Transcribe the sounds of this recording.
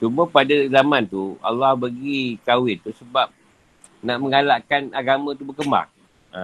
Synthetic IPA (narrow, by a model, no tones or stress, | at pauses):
t͡ʃumə̃padazamãnt̪ua̰lːɔhbəɡikawɪnt̪usəbap̚ | naʔməŋalaʔkanaɡamãt̪ubəkəmba̰ŋ | a